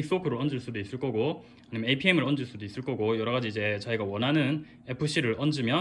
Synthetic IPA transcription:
ik̚s͈bokʰɯɾoɾʌnd͡ʑɯɭs͈ud̪ois͈ɯɭk͈ʌɡo | aɲimjʌeipʰiemɯɾʌnd͡ʑɯɭs͈ud̪ois͈ɯɭk͈ʌɡojʌɾʌɡad͡ʑiːd͡ʑe̞t͡ɕaiɡawʌnɦanɯn | e̞pʰɯɕ͈ʰiɾɯɾʔʌnd͡ʑɯmjʌ

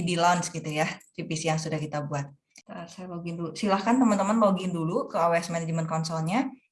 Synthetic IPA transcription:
idilansɡit̪ujat̪ipisijaŋsudahkit̪abuat̪̚ | əsajaloɡɪndulusilahkant̪əmənt̪əmənloɡɪndulukəawɛsmɛnɛd͡ʒəmənkɔnsɔlɲa

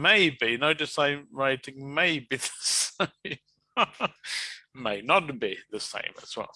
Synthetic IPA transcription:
meɪbinoʊdɨsẽɪ̃mɹaɪtɪ̃ŋmeɪbiðəsẽɪ̃m | meɪnət̚b̥iðəsḛ̃ɪ̃mə̰zwɛ̰lˠ

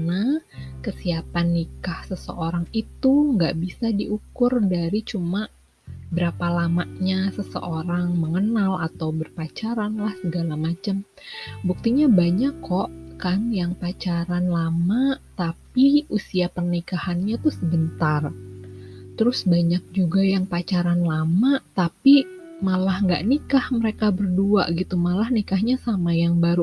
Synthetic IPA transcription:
nakəsiapanːikahsəsə̰ʔoɾaŋit̪uŋɡa̰ʔbisadiʔukʊrdaɾit͡ʃuma | bəɾapalamaʔɲasəsə̰ʔoɾaŋməŋənalat̪awbərpat͡ʃaɾanlahsəɡalamat͡ʃəm | buk̚t̪iɲabaɲakʰːɔʔkanjaŋpat͡ʃaɾanlamat̪apiusiapərnikahanɲat̪uhsəbənt̪ar | t̪əɾʊsbaɲak̚d͡ʒuɡajaŋpat͡ʃaɾanlamat̪api | malahŋɡa̰ʔnikahməɾekabərdua̰ʔɡit̪umalahnikahɲasamajaŋbaɾu

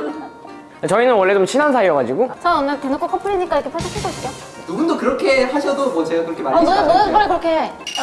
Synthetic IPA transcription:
at͡ɕʌinɯnwʌɭːe̞omt͡ɕʰinansʰaiʌɡad͡ʑiɡot͡ɕ͈ʰʌʌnmatenok͈ʰokʰʌpʰɯɾiɲik͈aiɾʌkʰepʰaɭs͈ʰatʰek͈ʌis͈jo | nuɡundokɯɾʌkʰe̞haɕʰʌdomwʌt͡ɕeɡakɯɾʌkʰeaɾmʌɯbonɯbʌɾekɯɾʌkʰe

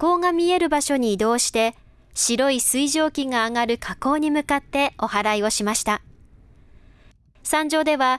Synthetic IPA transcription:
ko̞ːŋamʲie̞ɾɯ̟baɕo̞ɲ̟iːd̪o̞ːɕi̥t̪e̞ | ɕiɾo̞isɨiʑo̞ːkʲiŋaːŋaɾɯ̟kʰako̞ːɲ̟imɯ̟kat̪ːe̞o̞haɾaio̞ɕimaɕi̥t̪a | sãɲ̟d͡ʑo̞ːd̪e̞βa

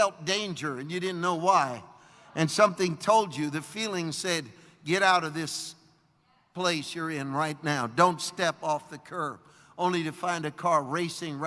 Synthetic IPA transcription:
ɛlˠp̚d̥ẽɪ̃nd͡ʒə˞ɨ̃njɨɾɪdⁿn̩noʊwaɪ | ʔɨ̃nsʌ̃mθɪ̃ŋtʰoʊlˠd͡ʒɨðɨfilˠɪ̃ŋ̥sɛd̚ | ɡɛɾaʊɾʌvðɪs | pʰl̥eɪsjə˞ɪ̃nɹaɪtⁿnaʊdõʊ̃ntstɛpɔfðɨkʰɜ˞v̥ | õʊ̃nliɾɨfãɪ̃ndɨkʰɑɹɹeɪsɪ̃ŋɹ

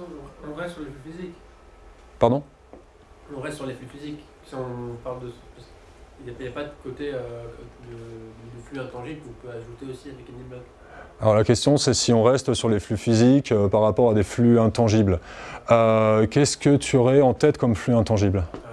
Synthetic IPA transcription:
ɔ̃ʁɛst̪syʁleflyfizik | paʁd̪ɔ̃ | ɔ̃ʁɛst̪syʁleflyfizik | siɔ̃paʁld̪əpas | iljajapad̪əkot̪eød̪əd̪əflyɛ̃t̪ɑ̃ʒiblũpøaʒut̪eosiʁikiniblɔɡ | alɔʁlakʲɛst̪jɔ̃sɛsiɔ̃ʁɛst̪syʁleflyfizikøpaʁːapɔʁad̪eflyɛ̃t̪ɑ̃ʒibløkʲɛskət̪ʰyɔʁɛɑ̃t̪ɛt̪kɔmflyɛ̃t̪ɑ̃ʒibl

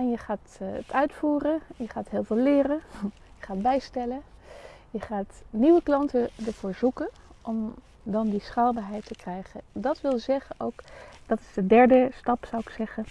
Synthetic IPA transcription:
ɛnjəχaːtətʰœɥtfuːrəjəχaːtɦɪːlˠvɪːlɪːrən | jəχaːd̚bɛjstɛlən | jəχaːtniʋəklɑntəndəɹv̥oːɹzukən | ʔɔm | dɑndisχaːlˠbaːɹɦɛjtːəkrɛjχəndɑtʋɪlˠzɛχənowkdɑtɪ̥z̥dədɛɹdəstɑpsawɪksɛχən

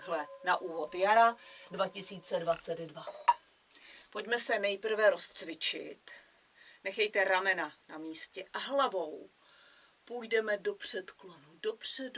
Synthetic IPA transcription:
ɦlɛnaʔuːvo̞t̪jaɾadvacɪsiːt͡sɛdvat͡sɛddva | po̞ɟmɛsɛnɛjpr̩vɛɾo̞st͡svɪt͡ʃɪ̰t̪ | nɛxɛjt̪ɛɾamɛnanamiːscɛʔaɦlavo̞w | pujdɛmɛdo̞pr̝̥ɛt̪klonudo̞pr̝̥ɛd

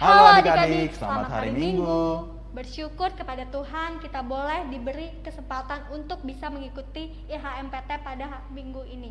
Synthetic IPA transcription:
hakadisəla̰ma̰t̪ha̰ɾimiŋɡu | bərʃukʊrkəpadat̪uɦankit̪abolɛhdibəɾikəsəmpat̪anunt̪ʊk̚bisaməŋikut̪i | ɦaɛmpet̪ɛpada | miŋɡuini

